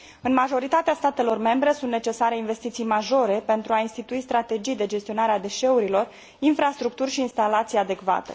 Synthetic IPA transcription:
ɨnmaʒo̞ɾit̪at̪east̪at̪e̞lo̞rme̞mbɾe̞sunt̪net͡ʃe̞saɾeinve̞st̪it̪sijmaʒo̞ɾe̞pe̞nt̪ɾuainst̪it̪uist̪ɾat̪ed͡ʒijd̪e̞d͡ʒe̞st̪io̞naɾead̪e̞ʃe̞uɾilo̞r | infɾast̪ɾuk̚t̪urʃiːnst̪alat̪sijad̪e̞kva̰t̪e

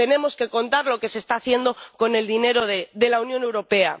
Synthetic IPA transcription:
t̪e̞ne̞mo̞ske̞ko̞nt̪aɾlo̞ke̞sest̪aːθje̞nd̪oko̞ne̞ld̪ine̞ɾoðeðe̞launjo̞ne̞wɾo̞pe̞a̰

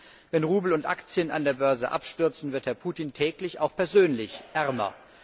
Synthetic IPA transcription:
vɛnʁuːbl̩ʊntʔa̰kt͡sjəna̰ndeːɐbœɐzə̰ʔa̰pʃtʏɐt͡sn̩vɪɐthɛɐpʰuːtiːntʰɛːklɪçaʊxpʰɛɐzøːnlɪçʔɛʁmɐ̰

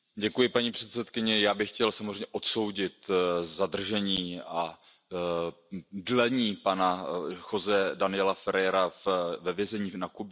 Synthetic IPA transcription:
ɟɛkujɪpaɲiːpr̝̥ɛt̪sɛt̪kɪɲɛjaːbɪxcɛlsamozr̝ɛɲɛʔo̞t̪so̞wɟɪt̪zad̪r̩ʒɛɲiːa | dlɛɲiːpanaxozɛdanɪɛlafɛɾɛɾafvɛvjɛzɛɲiːnakub

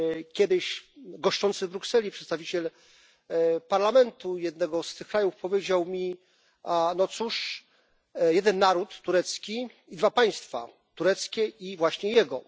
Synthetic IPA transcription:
kʲɛd̪ɘɕɡɔʂt͡ʂɔnt̪sɘvbɾuksɛlʲipʂɛt̪st̪avʲit͡ɕɛl | paɾlamɛnt̪ujɛd̪̚nɛɡɔst̪ɘxkɾajufpɔvʲjed͡ʑawmʲi | anɔt̪suʂ | jɛd̪ɛnːaɾut̪ːuɾɛt̪skʲi | id̪vapaj̃st̪fa̰ | t̪uɾɛt̪skʲɛivwaɕɲɛjɛɡɔ

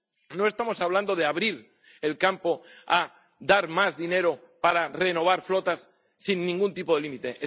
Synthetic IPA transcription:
no̞e̞st̪amo̞saβland̪oð̞eaβɾiɾ | e̞lkampo̞a | ðaɾmazðine̞ɾo̞ | paɾare̞no̞β̞aɾflo̞t̪asː | inːĩŋɡunt̪ipo̞ðe̞limit̪eʔe

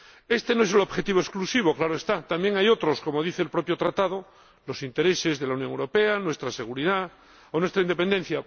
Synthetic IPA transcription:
e̞st̪e̞noe̞s̬elo̞βxe̞t̪iβo̞esklusiβ̞o̞klaɾoest̪at̪ambje̞ŋajo̞t̪ɾo̞sko̞mo̞ðiθeːlpɾo̞pjo̞t̪ɾat̪að̞o | lo̞sint̪e̞ɾe̞se̞zðelaunjoŋewɾo̞pe̞anwe̞st̪ɾase̞ɣ̞uɾiða | onwest̪ɾaind̪epe̞nd̪e̞n̟θja

